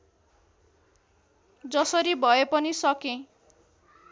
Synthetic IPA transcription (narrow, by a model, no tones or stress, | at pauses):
d͡zʌsʌɾibʱʌepʌnisʌkẽ